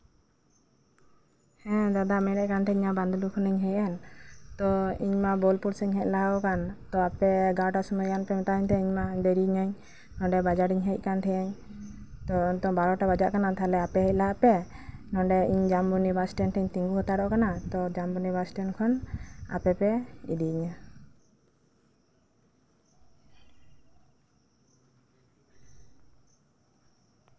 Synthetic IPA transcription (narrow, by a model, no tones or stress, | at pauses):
hɛ̃d̪ad̪amɛɾɛʔkant̪ʰɛiɲaband̪ɔlukʰɔnɛɲɦɛjɛnt̪ɔiɲmabɔlpuɾsɛɲɦɛc̚laɦɔkant̪ɔapɛɡaʈasumɔjkanpɛmɛt̪aɦɔɲt̪ɛiɲmabeɾiɲaɲ | nɔ̃ɖɛbad͡ʒaɽiɲɦɛc̚ˀkant̪ʰɛaɲ | t̪ɔnt̪ɔbaɾɔʈabad͡ʒaʔkanat̪ʰalɛapɛɦɛc̚ˀlaɦaʔpɛnɔ̃ɳɖɛiɲd͡ʒambunibasʈɛnt̪ʰɛɲt̪iŋɡuɦɔt̪aɽɔʔɔkanat̪ɔd͡ʒambunibasʈɛnkʰɔna̰pɛpɛḭd̪iɲa